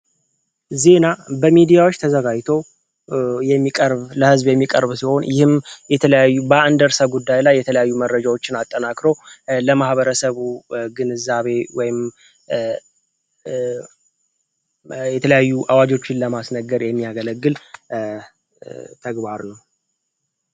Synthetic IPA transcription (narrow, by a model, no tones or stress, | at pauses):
ze̞nabəmid̪ijawo̞t͡ʃːt̪ʰəzəɡajt̪ʰo̞ | jɛmːikʼəɾβləhɨzbjɛmːikʼə̰ɾβsiho̞njɪhɨmjɛt̪ʰələjajːubəɨnd̪əɾsaɡud̪ːajlajːɛt̪ʰələjajːuməɾːəd͡ʒawo̞t͡ʃːɪnat̪ʼːənakɾowləmahβəɾəsəβuɡɨnɨzːaβe̞wɔjɪm | jɛt̪ʰələjajːuʔawad͡ʒo̞t͡ʃːɪnləmasnəɡəɾjɛmːiaɡələɡːɨl | t̪ʰəɡβaɾnəw